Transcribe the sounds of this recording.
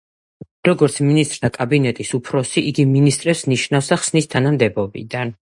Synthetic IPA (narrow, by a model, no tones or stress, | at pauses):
ɾɔɡɔɾt̪sʰminist̪ʼɾt̪ʰakʼabinɛt̪ʼisupʰɾɔsiʔiɡiminist̪ʼɾɛpsniʃnafsaχsnist̪ʰanamd̪ɛbɔbḭd̪an